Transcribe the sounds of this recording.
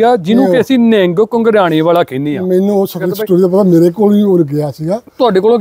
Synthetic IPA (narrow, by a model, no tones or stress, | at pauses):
aːd͡ʒɪnũːkɛːsiːnɛ̃ːŋɡkəŋɡəɾaːɽ̃eːʋaːlaːkẽːnd̪iːaːmɛ̃ːnũːoːsəkɾisʈoːɾiːd̪aːp̬ət̪aːmeːɾeːkoːlʋiːoːɾɡɪaːsiːɡaːt̪ʊaːɖeːkoːlõː